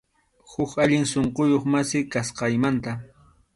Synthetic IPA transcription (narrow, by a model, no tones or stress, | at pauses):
hʊkaʎɪŋsoɴqojoχmasɪkasqɑjmant̪a